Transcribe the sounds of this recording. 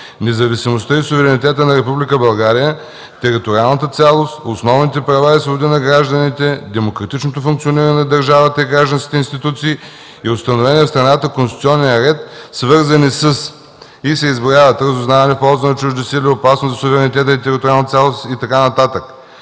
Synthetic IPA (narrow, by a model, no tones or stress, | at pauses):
nɛzɐvisimost̪əisʊvɛɾɛnit̪ɛt̪ənɐɾɛpublikəbɐlˠɡaɾijə | t̪ɛɾit̪oɾialˠnət̪ət̪sʲalˠost̪osnɔvnit̪ɛpɾɐvaɛsvobod̪inɐɡɾaʒd̪ənit̪ɛd̪ɛmokɾɐt̪it͡ʃnot̪ofuŋkt̪sioniɾɐnɛnɐd̪ɐɾʒavət̪əiɡɾaʒd̪ənskʲi̥t̪ɛinst̪it̪ut̪siː | iost̪ɐnovɛniɛfst̪ɾɐnat̪əkonsit̪sʲɔnːijəɾɛt̪svɤɾzɐnisəs | isɛizbɾʲjavət̪ɾɐzʊznavɐnɛfpɔlˠzɐnɐt͡ʃuʒd̪əsiliopasnoszɐsʊvɛɾɛnit̪ɛt̪əit̪ɛɾit̪oɾʲialˠnət̪ʲalˠost̪it̪ɐkanɐt̪at̪ək